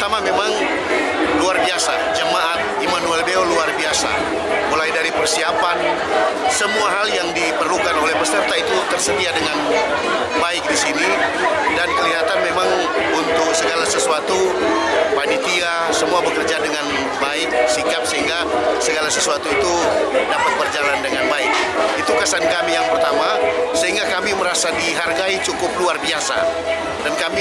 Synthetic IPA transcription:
t̪amamemaŋ | luarbiasa̰ | d͡ʒəmaʔat̪̚ | imanuɛlbeoluarbiasa̰ | mulajdaɾipərsiapan | səmuaɦaljaŋdipərlukanolɛhpərsərt̪ait̪ut̪ərsət̪iadəŋan | baɪk̚disini | dankəliɦat̪anmemaŋ | unt̪ʊksəɡalasəsuat̪u | panit̪ia | səmuabəkərd͡ʒadəŋan | baɪk̚sikap̚səɦiŋɡa | səɡalasəsuat̪uit̪udapat̪̚bərd͡ʒalandəŋanbaɪk̚ | it̪ukasankamijaŋpərt̪amasəɦiŋɡakamiməɾasadiɦarɡait͡ʃukʊp̚luarbiasa̰ | dankami

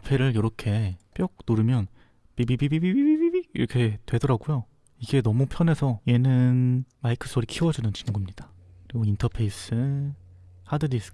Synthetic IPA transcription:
pʰeɾɯɭjʌɾʌkʰe̞p͈jʌk̚noɾɯmjʌn | pibibibibibibibibiḭɾʌkʰe̞twe̞dʌɾaɡujo | iɡe̞nʌmupʰjʌne̞sʰʌje̞nɯnmaikʰɯ̥s͈ʰoɾikʰiwʌd͡ʑunɯnt͡ɕinɡumɲid̥a | kɯɾiɡointʰʌpʰe̞is͈ʰɯ | hadɯɾis

